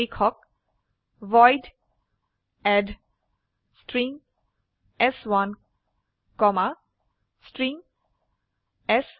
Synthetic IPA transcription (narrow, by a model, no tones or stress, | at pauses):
ikʰɔk̚ | ʋɔjɖ | ɛɖ | sʈɾĩŋ | ɛswãn | kɔma | sʈɾĩŋ | ɛs